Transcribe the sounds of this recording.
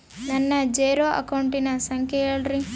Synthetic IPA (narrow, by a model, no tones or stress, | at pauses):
nɐnːɐd͡ʒɛːɾoːʔɐ̰kɐwɳʈinɐsɐŋkʰɛeːɭɾi